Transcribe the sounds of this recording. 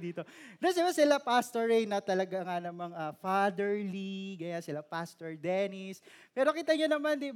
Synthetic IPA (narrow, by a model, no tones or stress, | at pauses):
d̪iːt̪o̞d̪ɛsɛbasɪlapast̪oɹejnɐt̪ɐlɐɡaŋanɐmaŋɐfad̪ɛɹliɡɐjansɪlapast̪oɹd̪ɛnispɛːɾo̞kiːt̪ɐɲonɐmand̪i